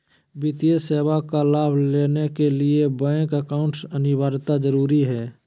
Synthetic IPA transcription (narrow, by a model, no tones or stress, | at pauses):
bit̪ijeseːwakalaːbʱleːnekeliebɛ̃ːkəkaʊ̃ɳʈsənɪbaːɾt̪azəɾuːɾiɦɛː